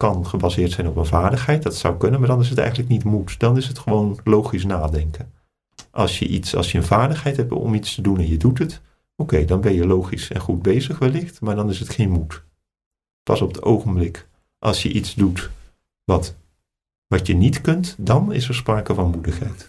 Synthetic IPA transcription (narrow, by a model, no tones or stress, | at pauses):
kɑnχəbazɪːɹtsɛjnɔpənvaːɹdəχɦɛjt̚dɑtsʌ̰wkɵnənmaːɹdɑnɪs̬ɦətɛ̰jxənləknitmutdɑnɪsɦətχəʋownlowχis̬naːdɛŋkən | ʔɑ̰lˠsjə̰ʔitsɑ̰lˠsjəənvaːɹdəχɦɛjtɦɛp̚tɔ̰mitstədunɛnjədutət | owkejdɑnbɛnjəlowχisɛ̰nχud̚bejzəχʋɛlɪχtmaːɹdɑnɪsətχejnmut | pɑsɔpətowχənblɪk | ʔɑ̰lˠsjəʔitzdut | ʋɑt | ʋɑtənitkɵntdɑnɪ̰sɛɹspraːkəvɑnmudəχɦɛ̰jt